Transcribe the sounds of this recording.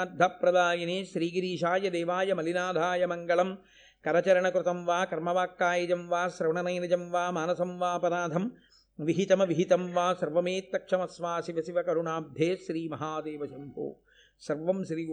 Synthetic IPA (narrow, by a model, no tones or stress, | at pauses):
d̪ʱːapːɾɐd̪aːjɐneːʃɾiːɡiɾiːʃaːjɐd̪eːʋaːjɐmɐlinaːd̪ʱaːjɐmɐŋɡɐɭɐm | kɐɾɐt͡ʃɐɾɐɳɐkɾut̪ɐmʋaːkɐɾmɐʋaːkːaːjɐd͡ʒɐmʋaːsɾɐʋɳɐnɐjnɐd͡ʒɐmʋaːmaːnɐsɐmʋaːpɐɾaːd̪ʱɐm | ʋiɦit̪ɐmɐʋiɦit̪ɐmʋaːsɐɾʋɐmeːt̪ːɐkʂɐmɐsʋaːsiʋɐsiʋɐkɐɾuɳaːb̚d̪ʱjeːʃɾiːmɐɦaːd̪eːʋɐʃɐmpṵː | sɐɾʋɐmʃɾiː